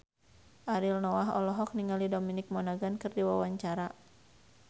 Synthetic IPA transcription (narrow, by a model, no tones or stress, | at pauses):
ʔaɾilnɔwaɦɔ̰lɔɦɔk̚niŋalidominɪk̚mɔnaɡankɨrdiwa̰waɲt͡ʃaɾa